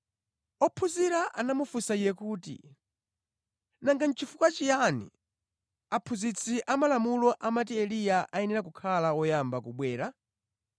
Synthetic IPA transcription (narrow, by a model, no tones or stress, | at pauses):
ɔpʰuziɾaʔanamufusaijɛkuːtḭ | naŋɡan̩t͡ʃʰifukwat͡ʃijanḭ | apʰuzit͡sʰiʔamalamulɔʔamat̬iɛlijaʔaɛnɛɾakukʰalaɔjambakuɓwɛːɾa